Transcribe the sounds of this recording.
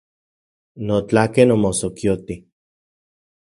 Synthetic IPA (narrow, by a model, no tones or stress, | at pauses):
not͡ɬakenomosokjot̪i